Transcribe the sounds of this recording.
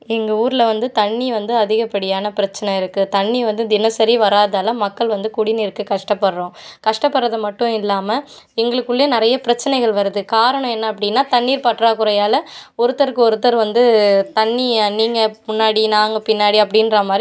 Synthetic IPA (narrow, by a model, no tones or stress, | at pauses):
ɛŋɡɐuːɾɪlɐʋɐnd̪ɯt̪ɐɳːiʋɐnd̪ɯɐðɪɣɐpːɐɽɪjaːnɐpɪɾɐt͡ʃːɐnɐɪɾɯkːɯt̪ɐɳːiʋɐnd̪ɯd̪ɪnɐsɐɾiʋɐɾaːðaːlɐmɐkːɐɭʋɐnd̪ɯkʊɽɪnɪɾɯkːɯkɐʂʈɐpːɐɽɾõːkɐʂʈɐpːɐɾːɐðɐmɐʈːʊ̃ɪlːaːmɐ | ɛŋɡɐɭɯkːɯɭːenɪɾɐjɐpɪɾɐt͡ʃːɐnɐɪɣɐɭʋɐɾɯðɯkaːɾɐɳɐ̃ɛnːɐːp̬ːɐɽɪnːaːt̪ɐɳːiːɾpaʈːɾaːkʊɾɐjaːlɐɔɾɯt̪ːɐɾɯkːɯɔɾɯt̪ːɐɾʋɐnd̪ɯt̪ɐɳːiniːŋɡɐmʊnːaːɽinaːŋɡɐpɪnːaːɽiɐpːɐɽɪnɾaːmaːd̪ɾ